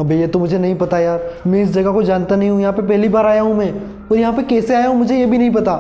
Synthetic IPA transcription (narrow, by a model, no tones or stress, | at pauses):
ɐbʱejet̪omʊd͡ʒʱenɐɦĩpɐt̪ajaːɾmɛ̃ɪs̬d͡ʒɐɡakod͡ʒaːnt̪anɐɦĩɦũjɐɦãpepɛɦlibaːɾaːjaɦũmɛ̃ː | ɔːɾjɐɦãpɐkɛːseaːjaɦũmʊd͡ʒʱejebʱinɐɦĩpɐt̪aː